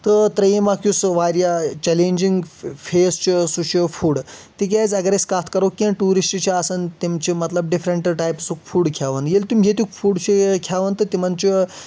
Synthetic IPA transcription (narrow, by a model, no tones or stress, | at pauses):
t̪ət̪ɾɐjimakjusʋaɾjat͡ɕɛlẽɲd͡ʑiŋɡfʰest͡ɕosuɕəfuːɽt̪ik̬ʲajt͡sɐɡɾeskat̪ʰkɐɾokːinʈuːɾisʈt͡ɕiasənt̪emt͡ɕimɐt̪ləb̚ɖifɾeɳʈʈajpsukfuːɽkʰjaʋənjelt̪umʲɦet̪ukfuɽt͡ɕekʰjaʋənt̪ət̪imant͡ɕi